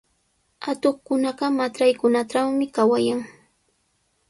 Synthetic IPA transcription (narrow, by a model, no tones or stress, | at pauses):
at̪oχkʊnɑɢɑmaɾajkʊnaʈ͡ʂawmɪkawajaŋ